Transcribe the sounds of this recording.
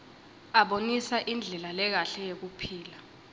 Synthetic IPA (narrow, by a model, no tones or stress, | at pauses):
aɓonisaʔind͡ɮʱɛlalɛk̬aɬɛjek̬upʰiːla